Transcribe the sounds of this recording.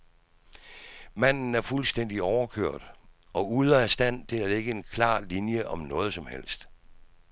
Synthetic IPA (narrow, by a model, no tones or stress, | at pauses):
mæn̰n̩æɐfulsd̥en̰d̥iɒʊɐkʰøɐ̰d̥ | ɒ̽uðˠɐæsd̥æn̰t͡sʰe̝læle̝ɡ̥əe̝nkʰlɑ̰̈ːlinjəʔɒ̽mnɔ̽ːð̞̩ˠsɒ̽mhel̰sd̥